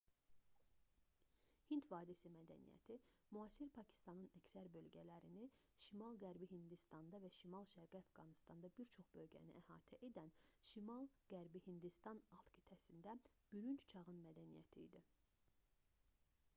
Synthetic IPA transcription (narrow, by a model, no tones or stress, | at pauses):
hint̪vɑːd̪isimæd̪æ̰nḭjæ̰t̪ʰimuɑsiɾpʰɑcʰi̥st̪ɑnɯnæcsæɾbø̞lɟælæɾiniʃimɑlˠɡæɾbiɦind̪ist̪ɑnd̪ɑvæʃimɑlˠʃæɾɡiæfɡɑnist̪ɑnd̪ɑbiɾt͡ʃʰo̞χbø̞lɟæ̰nḭʔæhɑ̰ːt̪ʰæʔe̞d̪ænʃimɑlˠɡ̥æɾbihind̪ist̪ɑnɑlˠt̪ki̥t̪ʰæsind̪æb̥yɾynt͡ʃt͡ʃʰɑʁɯnmæd̪ænijæ̰t̪ʰḭːd̪i